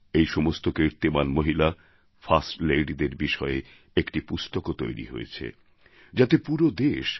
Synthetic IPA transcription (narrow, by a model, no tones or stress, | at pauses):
ejʃɔmost̪okeɾt̪emanmoɦila | fʰasʈlejɖid̪eɾbiʃɔe | ekʈipust̪okot̪ojɾḭɦo̰ḛt͡ɕʰḛ | d͡ʑat̪epuɾod̪eʃ